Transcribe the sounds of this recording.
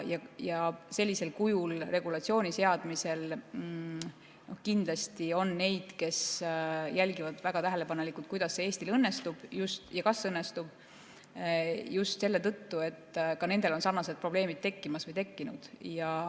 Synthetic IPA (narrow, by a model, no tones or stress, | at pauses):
jɑjɑse̞lʲːise̞lkujulre̞ɡ̥ulɑt̪sio̞ːnʲise̞ɑd̪̥mise̞l | nʔo̞hkind̪lɑst̪io̞nːe̞jd̪̥ke̞sjælʲɡivɑd̪væɡ̥ɑt̪æɦe̞le̞pɑnelikult̪kujd̪̥ɑsːe̞eːsʲt̪ilɤnːe̞st̪ub̥just̪jɑkɑsɤnːest̪ub̥̚ | just̪se̞lːe̞t̪ɤt̪ːue̞t̪ːkɑne̞nd̪̥e̞lo̞nsɑrnɑse̞d̪̚pro̞b̥le̞ːmit̪̚t̪ːe̞kːimɑsvɤjt̪e̞kːinud̪̥jɑ